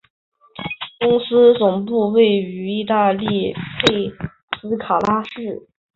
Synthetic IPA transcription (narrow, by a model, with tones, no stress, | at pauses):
kʊ˥ŋsɹ̩˥t͡sʊ˨˩ŋpu˥˧we˥˩ɪy˧˥i˥˧t̪a˥˧li˥˧pe˥˩ɪ | sɹ̩˥kʰa˨˩la˥ʂɻ̩˥˩